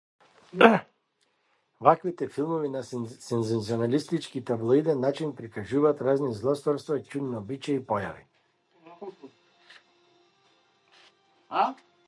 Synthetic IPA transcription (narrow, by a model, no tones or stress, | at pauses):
vakvit̪ɛfilˠmɔvinasɛnzɛnziɔnalist̪it͡ʃkit̪ablˠɔid̪ɛnːat͡ʃinpɾikaʒuvaːt̪ɾaznizlˠɔst̪ɔɾst̪vat͡ʃuninaɔbit͡ʃaipɔja̰vḭ